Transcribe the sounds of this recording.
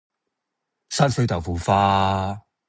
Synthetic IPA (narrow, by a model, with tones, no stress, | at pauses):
saː˥nsɵ˥ɥt̪ɐ˨wfuː˨˩faː˦˥